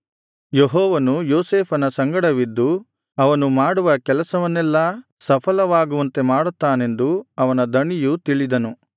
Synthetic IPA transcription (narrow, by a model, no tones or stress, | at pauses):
jeɦɔːʋɐnujoːseːpʰɐnɐsɐŋɡɐɽɐʋid̪ːu | ɐʋɐnumaːɽuʋɐkɛlɐsɐʋɐnːɛlːɐsɐpʰɐlɐʋaːɡuʋɐnt̪e̞maːɽut̪ːaːne̞nd̪uɐʋɐnɐd̪ɐɳijut̪iɭid̪ɐnu